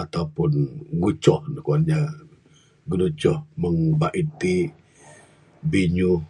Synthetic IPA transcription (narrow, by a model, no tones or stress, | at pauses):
at̪awpunɡut͡ʃɔhnəkɔɲa | ɡənut͡ʃɔhməŋbaʔit̪i | biɲu